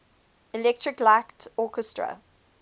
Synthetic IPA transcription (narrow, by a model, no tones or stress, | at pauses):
ilɛk̚tʰɹɪklæktɔkɛstɹə̰